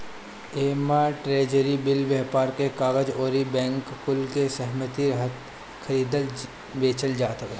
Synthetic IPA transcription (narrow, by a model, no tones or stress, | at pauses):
eːmaʈɾeːd͡ʒəɾibɪlbɛɦpaːɾkekaːɣəd͡ʒoːɾibɛ̃ːŋkːʊlkesɛɦmət̪iɾɦət̪ | kʰɐɾiːd̪əl | beːt͡ʃəld͡ʒaːt̪ək